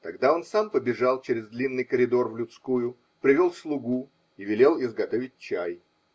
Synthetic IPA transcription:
t̪ɐɡd̪ao̞nsampəbʲɪʐalˠt͡ɕeɾʲɪzd̪lʲinːɨjkəɾʲɪd̪o̞rvlʲʊt̪skujʊ | pɾʲɪvʲolˠslˠʊɡu | ivʲɪlʲe̞lˠɪzɡɐt̪o̞vʲɪt̚ʲt͡ɕæj

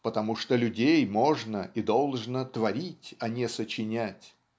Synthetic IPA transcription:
pət̪ɐmuʂt̪olʲʊdʲejmo̞ʐnəʔid̪o̞lˠʐnət̪vɐɾʲitʲɐnʲesət͡ɕɪnʲætʲ

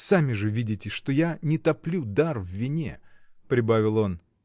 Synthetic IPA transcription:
samʲɪʐɨvʲidʲɪtʲɪʂt̪ojanʲɪt̪ɐplʲud̪arvːʲɪnʲḛpɾʲɪbavʲɪlˠo̞n

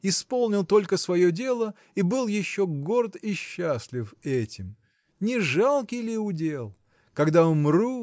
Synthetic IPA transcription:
ɪspolˠnʲɪlˠt̪o̞lʲkəsvɐjodʲe̞lˠə | ibɨlˠjɪɕːoɡo̞rt̪ɪɕːasʲlʲɪfɛtʲɪm | nʲɪʐalˠkʲɪjlʲɪʊdʲe̞lˠ | kɐɡd̪aʊmru

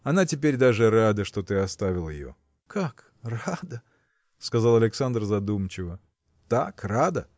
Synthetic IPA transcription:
ɐnatʲɪpʲeɾʲd̪aʐɨɾad̪əʂt̪o̞t̪ɨɐst̪avʲɪlˠjɪ̰jo̞̰ | kʰak | rad̪ə | skɐzalˠɐlʲɪksand̪rzɐd̪umt͡ɕɪvə | t̪akrad̪ə

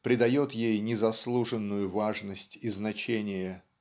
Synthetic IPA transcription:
pɾʲɪd̪ɐjo̞t̪jejnʲɪzɐslˠuʐɨnːʊjʊvaʐnəsʲtʲiznɐt͡ɕenʲɪjə

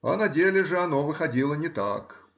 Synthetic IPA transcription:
ɐ̰nɐdʲelʲɪʐɨɐnovɨxɐdʲilˠənʲɪt̪a̰k

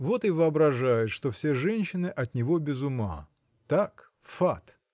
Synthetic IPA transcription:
vo̞t̪ɨvɨɐbɾɐʐajʊt̪ʂt̪ofsʲeʐɛnʲɕːɪnɨʔɐt̪nʲɪvo̞bʲɪzʊma̰ | t̪ak | fat̪

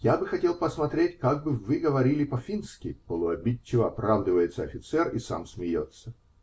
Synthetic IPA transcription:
jabɨxɐtʲe̞lˠpəsmɐt̪ɾʲetʲkaɡ̚bɨvɨɡəvɐɾʲilʲɪpɐfʲinskʲɪpəlˠʊɐbʲit͡ɕːɪvəɐpɾavd̪ɨvəjɪt̪səɐfʲɪt̪sɛrisa̰msmʲɪjo̰t̪sə

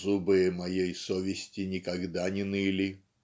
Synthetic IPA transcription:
zubɨjɪmɐjejsovʲɪsʲtʲɪnʲɪkɐɡd̪anʲɪnɨlʲi

